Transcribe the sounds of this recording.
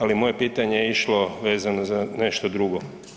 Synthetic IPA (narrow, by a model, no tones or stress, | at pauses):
alimo̞je̞piːt̪aɲejeiʃlˠo̞ʋe̞ːzanozane̞ʃt̪od̪ɾuɡo